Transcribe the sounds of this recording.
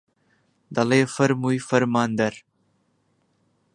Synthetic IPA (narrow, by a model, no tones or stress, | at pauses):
d̪ɐleːfɐɾmujfɐɾmaːnd̪ɐɾ